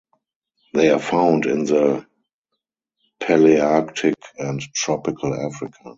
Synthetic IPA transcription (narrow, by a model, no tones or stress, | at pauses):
ðeɪafãʊ̃ndɪ̰̃nðə | pʰɛliaktʰɪkʰɛ̃nttʰɹɔpɪkʰəla̰fɹɪkʰa